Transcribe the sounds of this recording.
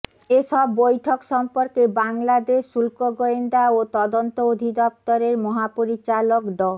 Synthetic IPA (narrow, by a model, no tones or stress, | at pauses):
eʃɔbːojʈʰokʃɔmpoɾkebaŋlad̪eʃulkoɡoend̪aot̪ɔd̪ont̪ood̪ʱid̪ɔp̚t̪oɾeɾmɔɦapoɾit͡ɕalokɖɔ